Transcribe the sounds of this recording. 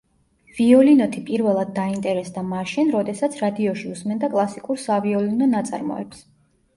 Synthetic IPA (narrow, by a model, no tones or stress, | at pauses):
viɔlinɔt̪ʰipʼiɾvɛlˠad̪̚ːaint̪ʼɛɾɛsd̪amaʃinɾɔd̪ɛsat̪sʰɾad̪iɔʃiusmɛnd̪akʼlˠasikʼuɾsaviɔlinɔnat̪sʼa̰ɾmɔ̰ɛ̰ps